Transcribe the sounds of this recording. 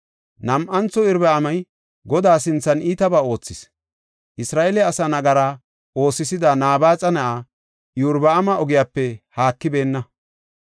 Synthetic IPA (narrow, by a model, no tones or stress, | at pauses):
nɐmʔɐnt͡sːɔɪɾbɛɐmɐj | ɡɔd̪aːs̬ɪnt͡sːɐniːt̪ɐbaːo̞ːt͡sːɪs | ʔɪsɾaːʔelɛɐsɐnɐɡɐɾa | o̞ːsːɪsɪd̪anaːbaːt͡sʼɐnɐʔaː | juːɾbɐɐmɐɔɡɪjaːpːɛhaːkːɪbe̞ːnːɐ